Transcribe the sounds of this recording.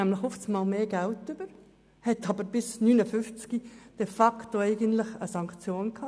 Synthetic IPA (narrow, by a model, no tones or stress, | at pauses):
æmləχhɔft͡smɑːlmeːɡæltʏb̥əɾ | hɛt̪ɑbəɾb̥ɪsnyːnəfʏft͡skid̥ɛfɑkt̪oɛɪɡəntlɪχə̰sɑŋkt͡sjoːnkʰhɑ